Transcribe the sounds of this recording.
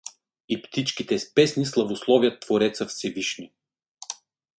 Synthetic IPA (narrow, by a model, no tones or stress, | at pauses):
ipt̪it͡ʃkit̪ɛspɛsnislˠɐvoslˠɔvijət̪ːvoɾɛt̪səfsɛviʃni